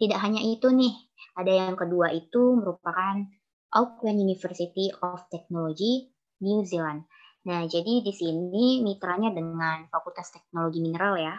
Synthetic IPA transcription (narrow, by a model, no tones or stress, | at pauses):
t̪idaʔɦaɲaʔit̪unɪh | adajaŋkəduaʔit̪uməɾupakan | ʔaukanunifərsit̪iɔft̪ɛk̚noloɡi | niuziland̚ | nahd͡ʒadidisininit̪ɾaɲadəŋanfakult̪ast̪ɛk̚noloɡiminəɾalja